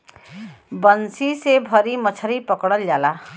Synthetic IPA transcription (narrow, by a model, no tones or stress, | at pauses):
bʌnsisebʱʌɾimʌt͡sʰʌɾipʌkɽʌljala